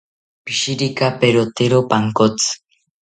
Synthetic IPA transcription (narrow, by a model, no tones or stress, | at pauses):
piʃiɾikapeɾot̪eɾopaŋkot͡s